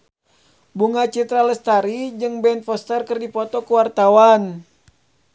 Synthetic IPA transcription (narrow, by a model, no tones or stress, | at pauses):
buŋat͡ʃit̪ɾaləst̪aɾid͡ʒɨŋbɛnfɔst̪ərkərdipɔt̪ɔkəwart̪awan